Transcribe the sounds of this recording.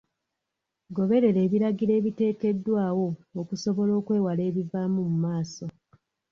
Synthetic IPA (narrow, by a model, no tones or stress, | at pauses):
ɡo̞βe̞ɾe̞ɾeːβiɾaɡiɾe̞ːβite̞ːke̞dːwaːwo̞ːkuso̞βo̞lo̞ːkwe̞ːwale̞ːβivaːmumumaːso̞